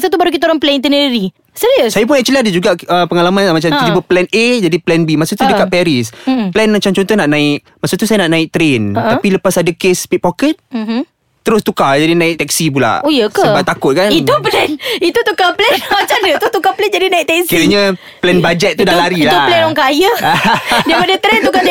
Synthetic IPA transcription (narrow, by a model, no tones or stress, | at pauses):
s̬at̪ubaɾukit̪aoɾaŋplɛnint̪ənəɾi | siɾiussajapʊnat͡ʃəliadəd͡ʒuɡaəpəŋalamanlamat͡ʃamt̪t̪ibəplɛned͡ʒadiplɛnbimasut̪udəkat̪̚pɛɾisplɛnmat͡ʃamt͡ʃɔnt̪ɔhnaʔnãɪk | masut̪usajanaʔnaɪk̚t̪əɾent̪apiləpasadəkespit̪̚pokət̪̩̚mː | əɾʊst̪ukad͡ʒadinãɪk̚t̪ɛk̚sip̬ula̰ʔojəksəbat̪akʊt̪̚kanit̪uplɛnit̪ut̪ukaplɛnmat͡ʃamdət̪ut̪ukaplɛnd͡ʒadinaɪk̚t̪ɛkskiɾəɲə | plɛnbad͡ʒɛt̪̚ːudalaɾilaulɛnɔŋkajə | dapadət̪ɾɛnt̪uka